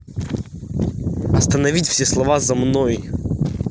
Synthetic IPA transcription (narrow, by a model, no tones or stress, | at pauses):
ɐst̪ənɐvʲitʲfsʲeslˠɐvazɐmnoj